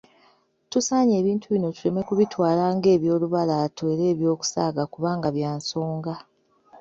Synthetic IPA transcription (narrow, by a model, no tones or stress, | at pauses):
tusaːɲe̞ːβiːntʰuβino̞tule̞me̞kuβitwaːlaːŋɡe̞ːβjo̞ːluβalaːtʰweːɾe̞ːβjo̞ːku̥saːɡakuβaːŋɡaβjaːnso̞ːŋɡa